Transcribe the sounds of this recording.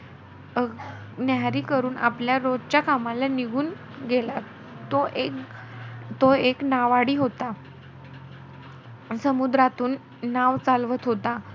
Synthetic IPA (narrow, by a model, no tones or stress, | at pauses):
ə | naɾiːkəɾuːnʔa̰pljaɾod͡zt͡ɕjakamalaniɡʱuːn | ɡela | t̪oʔek | t̪oeknaʋaɽiːɦot̪a | səmud̪ɾat̪uːnː | aʋt͡salʋət̪ɦot̪a